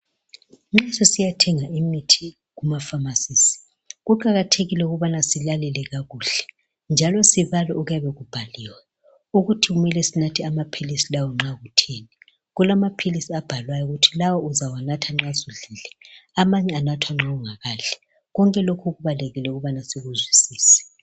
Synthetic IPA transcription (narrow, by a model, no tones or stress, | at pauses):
ŋ͡ǁasɛsijatʰɛŋaimitʰi | ɣumafamasiːsi̥ | ɣuǃaɣatʰeɣilɛuɣuβanasilalɛlɛɣaɣuːɬɛ̥ | nd͡ʒʱalɔsiβalɛʔuɣujaβɛɣub̥ʱaliːwɛ | uɣutʰiɣumɛlɛsinatʰiamapʰilisilawɔŋ͡ǁaɣutʰeni | ɣulamapʰilisiab̥ʱalwajɔuɣutʰilawɔuzawanatʰaŋ͡ǁazuɮiːlɛamaɲɛanatʰwaŋ͡ǁauŋaɣaːɮɛ | ɣɔŋkʼɛlokʰuɣuβaleɣilɛuɣuβanasiɣuzwisiːsɛ̥